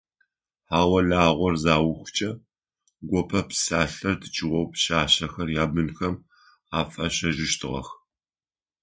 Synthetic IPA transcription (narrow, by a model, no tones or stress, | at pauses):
ħaːwɐɮaːʁʷɔrzaːwʊxʷt͡ʃʼɐ | ɡʷɔpʰɐpsaːɬɐrdɨt͡ʃʼɪwʷɔwpɕaːɕɐxɐrjaːbɨnxɐm | aːfʼɐɕɐʒɪʃtʰɨʁɐ̰x